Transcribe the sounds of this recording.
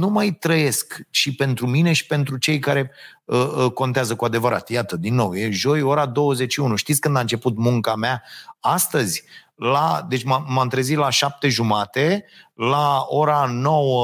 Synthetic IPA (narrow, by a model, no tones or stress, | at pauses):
numajt̪ɾəje̞skʃipe̞nt̪ɾumine̞ʃi̥pe̞nt̪ɾut͡ʃe̞jkaɾe̞ | əko̞nt̪eazəkuad̪e̞vəɾa̰t̪jat̪əd̪inːo̞wje̞ʒo̞jo̞ɾad̪o̞wəzet͡ʃʃiunuʃt̪it̪sʲkɨnd̪ant͡ʃe̞put̪muŋkameaast̪əzʲ | lad̪e̞t͡ʃʲmamamt̪ɾezit̪laʃap̚t̪e̞ʒumat̪e̞laoɾano̞wə